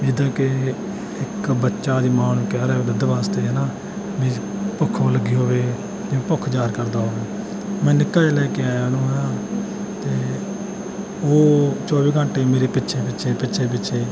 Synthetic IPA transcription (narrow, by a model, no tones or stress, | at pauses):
d͡ʒɪd̪ãːkɪ | ɪkbətːʃaːd̪iːmãːnũːkɛːɾɛːoːd̪əd̪əʋaːst̪eːɦɛːnaː | mĩː | pəkʰːoːləɡːiːɦoːʋeː | d͡ʒɪẽːpʊkʰːd͡ʒaːɾkəɾd̪aːɦoːʋeː | mɛ̃ːnɪkːaːeːlɛːkeaːnũːɦaː | t̪eː | oːt͡ʃɔːʋiːɡʱə̃ɳʈeːmeːɾeːpɪtːʃʰeːp̬ɪtːʃʰeːpɪtːʃʰeːp̬ɪtːʃʰeː